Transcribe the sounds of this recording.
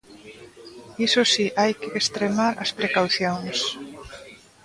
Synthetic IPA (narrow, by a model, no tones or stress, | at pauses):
isosiʔajkɪest̪ɾemaɾɐspɾekawθjoŋs